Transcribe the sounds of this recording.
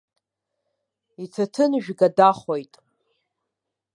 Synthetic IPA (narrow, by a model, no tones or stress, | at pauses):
itʰatʰɨnʒᶣɡadaχojtʼ